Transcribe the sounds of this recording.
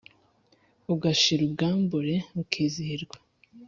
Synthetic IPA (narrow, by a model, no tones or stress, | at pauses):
uɡaʃiɾubɡaːmbuɾemukʰiːziiɾɡwḁ